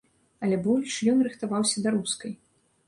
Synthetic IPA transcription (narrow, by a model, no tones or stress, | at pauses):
ɐlʲɛbɔlʲʂjɔnrɨxt̪avawsʲɐd̪aɾuskɐj